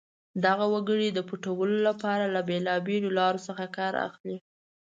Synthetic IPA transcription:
d̪aɣawaɡəɽid̪əpuʈawəlolapɑɾalabelɑbelolɑɾosəxakɑɾa̰xli

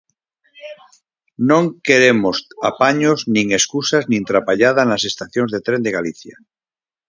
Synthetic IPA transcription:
nõŋkeɾemosapaɲoznĩŋe̞skusaznĩnt̪ɾapaʎað̞anase̞st̪aθjonzðet̪ɾend̪eɣaliθja

